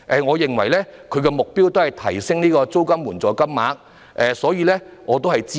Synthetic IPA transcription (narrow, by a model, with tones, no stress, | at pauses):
ʔɛː˨ŋɔː˨˧jɪ˨˩ŋwɐ˨˩jlɛː˥kʰɵ˨˧ɥkɛː˧mʊ˨k̚piː˥wt̪o˥whɐ˨jt̪ʰɐ˨˩jsɪ˥ŋniː˥kɔː˧t͡so˥wkɐ˥mːuː˨˩nt͡sɔː˨˧kɐ˥mːaː˨˥k̚ | ʔɛː˨sɔː˨˥jiː˨˧lɛː˥ŋɔː˨˧t̪̬o˥whɐ˨jt͡siː˥